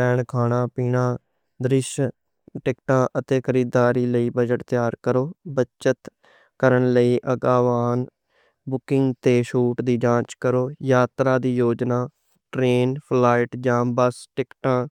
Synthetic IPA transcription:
ɛːɳkʰaːɽaːpiːɳãː | d̪ɾɪʃ | ʈɪkʈãːʔət̪eːkʰəɾiːd̪aːɾiːləiːbəd͡ʒəʈt̪jaːɾkəɾoːbət͡ʃət̪ | kəɾəɳləiːʔəɡaːʋaːn | bʊkɪŋɡt̪eːʃuːʈd̪iːd͡ʒãːt͡ʃkəɾoːjaːt̪ɾaːd̪iːjoːd͡ʒnaː | ʈɾeːnpʰlaːɪʈd͡ʒaːmbəsʈɪkʈãː

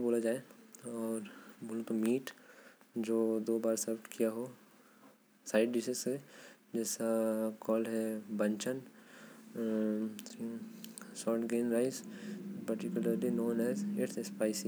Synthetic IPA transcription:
boːlad͡ʒaːeɔːɾboːl̃pɐmiːʈ | d͡ʒoːd̪oːbaːɾsɐɾpʈkʰijaɦoː | saːɪɖɖɪsese | d͡ʒɛːsakɔːlɦɛbɐ̃ɲt͡ʃən | sɔːʈɡeːnɾaɪzpɐɾʈikjʊləɾlinoːnɛːzeːʈʰespaːɪsi

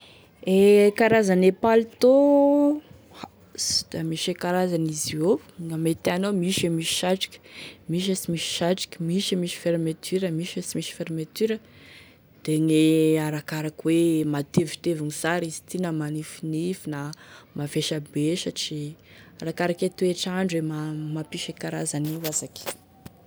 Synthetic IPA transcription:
ekaɾazanepalit̪o | ha | sd̪̥amiʃekaɾazanizio | ŋamet̪eanomiʃemiʃi̥ʃaʈ͡ʂi̥kʲə̥miʃ̬asimiʃi̥ʃaʈ͡ʂi̥kʲəmiʃimiʃi̥feɾmat̪yɾəmiʃasimiʃi̥feɾmet̪yɾə | d̪̥eŋeaɾakaɾakwemat̪evit̪evinisaɾizi̥t̪inamanifinifinamafeʃabeʃət͡ʃiaɾakaɾaket̪ueʈ͡ʂaɳɖ͡ʐuemamapiʃekaɾazaniwazakʲ

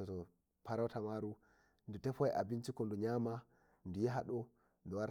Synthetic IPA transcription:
ɔtɔ | paɾatamaɾu | ndutɛfɔjʔa̰bint͡ʃikɔnduɲama | ndujiɦaɗɔ | ndɔwaɾ

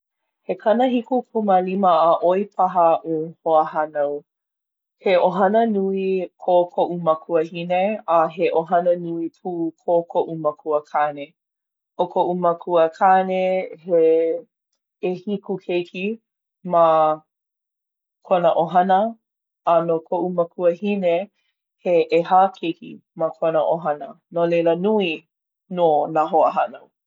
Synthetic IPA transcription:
hekʰɐnəhikupʰuməliməːʔoipʰɐɦəʔuhoəhɐnow | heʔoɦɐnənuikʰokʰoʔumɐkʰuəhineaɦeʔoɦɐnənuipʰuːkʰokʰoʔumɐkʰuəkʰane | ʔokʰoʔumɐkʰuəkʰanehe | hikukʰejkʰi | mɐ | kʰonəʔoɦɐnəː | nokʰoʔumɐkʰuəhine | heʔehakʰekḭmɐkʰonəʔoɦɐnə | nolelənui | nonaɦoə̰ɦɐno

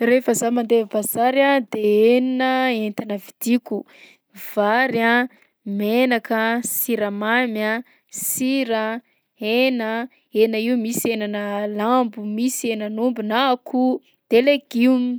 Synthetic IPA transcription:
refəzamand̪evbazaɾad̪eeninəent̪anəvid̪̥iku | v̥aɾa | menakəsiɾəmamja | siɾa | enə | enəiumisenanəlambumisienənumbinakʰu | d̪̥eleɡim

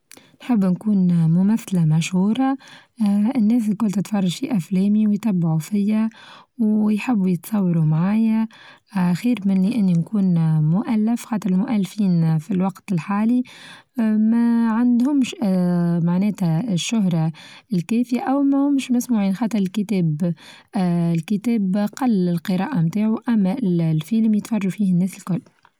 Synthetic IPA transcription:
nħɪbːnkuːnmʊmæθlæmæʃhuːɾˤɑ | ɪnːɛːs̬kʊlt̪ɪt̪fɑrˤːɑʒ̥fiʔæflɛːmiwjt̪ˤɑbːaʕufɪjːæwjħɪbːjət̪sˤɑwːɑɾumʕaːjæ | xiːɾmɪnːiʔɪnːinkuːnmʊʔælːɪfxɑːt̪ˤəɾɪlmʊʔælːfiːnfilwɑqt̪ɪlħaːli | mæʕand̪hʊmʃ | maʕnɛːt̪æʃːʊɦɾˤɑɪlkɛːfɪjaʔæwmæhʊmʃmæsmuʕiːnxɑːt̪ˤɨɾˤɪlkɪt̪ɛːb | lkɪt̪ɛːbqɑlːɪlqɨɾˤɑːʔamt̪aːʕuʔæmːælfiːlmjət̪fɑrˤːufiːhɪnːɛːsɪlkʊlː

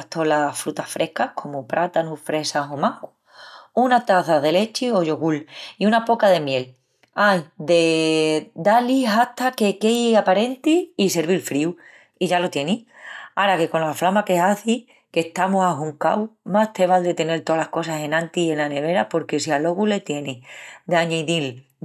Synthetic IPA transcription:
ht̪o̞lafɾut̪afɾʔe̞hkahkʰo̞mopɾʔat̪anufɾe̞saɦo̞mah | unat̪aθaðe̞le̞t͡ʃio̞ʝo̞ɣuliunapo̞kaðe̞mje̞l | ajd̪e̞ | d̪aliɦaht̪ake̞kejapaɾe̞nt̪iːse̞ɾβilfɾiw | iʝalot̪je̞niaɾake̞konlaflamake̞aθi | ke̞ht̪amoɦaɦuŋka̰wmast̪e̞β̞ald̪e̞t̪e̞ne̞lt̪olahko̞sase̞nãnt̪ie̞nlane̞β̞e̞ɾapo̞ɾke̞sialo̞ɣule̞t̪je̞nid̪aɲeðil

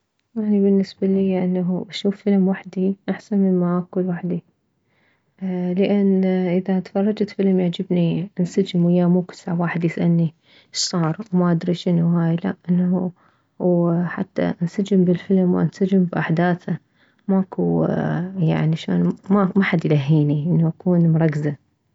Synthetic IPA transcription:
ʔaʕnibɪnːɪsbaliːʔanːaɦuʔaʃuːfːɪlmwaħd̪iʔaħsanmɪnmaʔakulwaħd̪i | ləʔanːʔɪðat̪fɑrˤːɑd͡ʒat̪fɪlmjaʕd͡ʒɪbniʔnsad͡ʒɪmwɪjːamuːkɪ̥saʕwaːħɪd̪jɪsʔanːi | ʃsˤɑːɾˤwmaʔad̪ɾiʃɪnuhaːjla̰ʔʔɪnːu | wħa̰t̪ːa̰ʔansad͡ʒɪmbɪlfɪlmwʔa̰nsad͡ʒɪmbʔaħd̪aːθa | maʔku | ja̰ʕniʔaʃa̰ːnmamaħad̪jlaɦːiːniʔɪnːuʔakuːnmʊɾˤɑkza

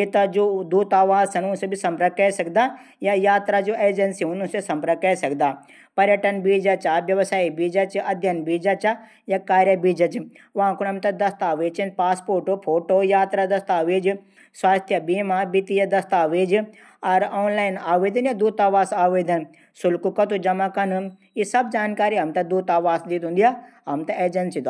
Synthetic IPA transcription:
et̪ɐd͡ʒod̪uːt̪aːʋaːzsɐnũnsebɪsɐ̃mpɾɐkɐesɐɡd̪aː | jajaːt̪ɾad͡ʒoːʔeːd͡ʒɐnsiʊnusesɐ̃mpɾɐkɐesɐɡd̪aː | pɐɾjəʈɐnbiːd͡ʒɐt͡ʃabjɐʋsaːibiːd͡ʒɐt͡ʃɐd̪ʱjɐnbiːd͡ʒat͡ʃa | jakaːɾjəbiːd͡ʒɐt͡ʃi | ʋãkʊnɐmt̪ɐd̪ɐst̪aːʋeːt͡ʃinpaːspoːɾʈopʰoːʈoːjaːt̪ɾad̪ɐst̪aːʋeːd͡ʒ | sʋaːst̪ʰjɐbiːmabit̪ijɐd̪ɐst̪aːʋeːd͡ʒ | ɐɾoːnlaːɪnaːʋeːd̪ɐnjad̪uːt̪aːʋaːsaːʋeːd̪ɐn | sʊlkukɐt̪ud͡ʒɐmakɐn | isɐbd͡ʒaːnkaːɾiɦɐmt̪ɐd̪uːt̪aːʋaːsd̪it̪ɦũːnd̪ijaːɦɐmt̪ɐeːd͡ʒɐnsit̪o

